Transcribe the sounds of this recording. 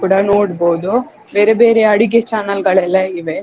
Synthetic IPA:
kuːɽɐnoːɽboːd̪u | be̞ːɾebe̞ːɾeɐɽiɡet͡ʃaːnɐlɡɐɭɛlːɐiʋe

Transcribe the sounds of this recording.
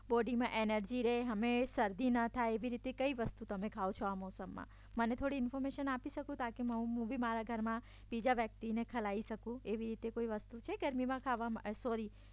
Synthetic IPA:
bɔɖimãʔenəɾd͡ʒiɾeɦəmesəɾd̪ʱinət̪ʰaeʋiɾit̪ekəiʋəst̪ut̪əmekʰaot͡ʃʰoamɔsəmːã̰ | mənet̪ʰoɽiɪnfɔɾmeʃənapiʃəkũt̪ãkeməɦũɦũbʱimaɾaɡʱəɾmã | bid͡ʒaʋjək̚t̪inekʰəlaiʃəkũeʋiɾit̪ekoiʋəst̪ut͡ʃʰeɡəɾmimãkʰaʋamasɔɾi

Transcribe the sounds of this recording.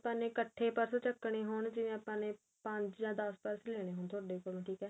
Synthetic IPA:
pãːnẽːkəʈʰːeːpəɾst͡ʃəkːɳeːɦoːɳd͡ʒɪʋẽːapãːnẽː | pəɲd͡ʒjãːd̪əspəɾsleːɽ̃eːɦoːnt̪ʰʊaːɖeːkoɾõːʈʰiːkɛː

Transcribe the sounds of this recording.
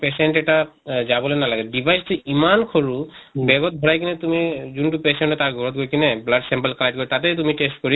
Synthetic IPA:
pesɛnʈɛʈazabɔlonalaɡɛɖibʱajstiimankʰɔɹubɛɡɔt̪̚bʱɔɹajkinɛt̪umizuntupɛsɛnʈɔt̪aɹɡʱɔɹɔt̪̚ɡojkinɛblaɖsɛmpəlkalajʈ̚ɡoɹit̪at̬ɛt̪̬umiʈestkɔɹi

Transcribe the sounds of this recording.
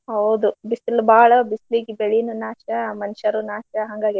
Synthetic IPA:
hɐwd̪ubisilbaːɭɐbisliɡibeɭijnunaːʃɐmɐnʃɐɾunaːʃɐɦɐŋɡaːɡi

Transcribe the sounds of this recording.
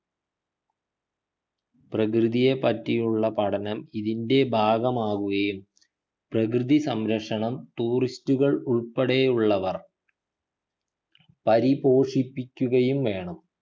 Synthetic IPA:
prɐkrɨðijepɐtːijuɭːɐpɐɽɐnɐmiðinde̞bʱaːɡɐmaːɣuɣɐjum | prɐkrɨðisɐmɾɐkʂɐɳɐmt̪uːristuɣɐɭuɭpɐɽejuɭːɐʋɐr | pɐɾibo̞ːʂipːikʲːuɣɐjumʋe̞ːɳɐm

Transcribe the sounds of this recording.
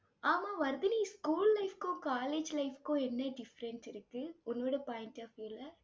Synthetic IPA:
aːmaːʋɐɾðɯniːskuːllɐɪfkʊ̃kaːleːd͡ʒlɐɪfkːʊ̃ɛnːɐɖɪfɾɛnsɪɾɯkːɯʊnːoːɽɐpaːjɪnʈaːfiːlːɐ

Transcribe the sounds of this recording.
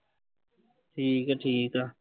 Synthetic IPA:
ʈʰiːkaʈʰiːka

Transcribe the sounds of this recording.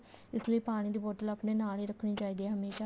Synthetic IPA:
ɪsləiːpaːɽ̃iːd̪iːbɔːʈələːpneːnaːliːɾəkʰːɽ̃iːt͡ʃaːiːd̪iɛɦəmeːʃaː

